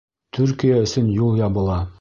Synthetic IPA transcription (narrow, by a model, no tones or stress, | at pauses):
t̪ʰʉɾkijaɵ̆sɵnjulˠjɑβɤ̆lˠɑ